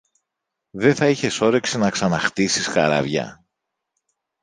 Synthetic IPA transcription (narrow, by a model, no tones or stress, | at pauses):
ðeθɐiçe̞so̞ɾe̞ksinɐksɐnɐxt̪isisxɐ̰ɾɐ̰vʝɐ̰